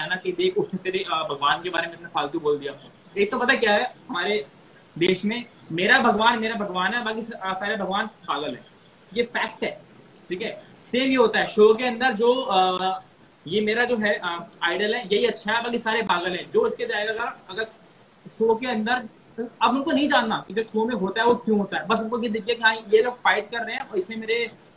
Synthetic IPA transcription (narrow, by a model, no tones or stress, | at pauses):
aːnakid̪eːkʰʊsnẽt̪eːɾebʱɐɡʋaːnkebaːɾemẽɐpnẽpʰaːlt̪joboːld̪ijaː | eːk̚t̪obɐt̪ak̬jaːɦɛɦɐmaːɾe | d̪eːʃmẽ | meːɾabʱɐɡʋaːnmeːɾabʱɐɡʋaːnɦɛbaːkispɛːlebʱɐɡʋaːnpaːɡəlɦɛ̃ː | jefɛːk̚ʈɦɛː | ʈʰiːkɛ | seːmɦiɦoːt̪aɦɛʃoːkeɐ̃nd̪əɾd͡ʒoː | jemeːɾad͡ʒoːɦɛʔaːɪɖəlɦɛjɐɦiɐtːʃʰaɦɛbaːkisaːɾepaːɡəlɦɛ̃ːd͡ʒoːɪsked͡ʒaːeɡaɡaɐɡəɾ | ʃoːk̬eɐ̃nd̪əɾ | ɐbʊnkonɐɦĩd͡ʒaːnːakid͡ʒoːʃoːmẽɦoːt̪aɦɛʋokjũːɦoːt̪aɦɛbɐsʊnkojed̪ɪkʰiekiɦãːjeloːɡ̚faːɪʈ̚kɐɾːəɦeɛ̃ɔːɾɪsnẽmeːɾe